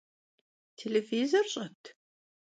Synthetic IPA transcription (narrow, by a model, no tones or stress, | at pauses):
tʰelevizɐrɕʼɐt̪ʰ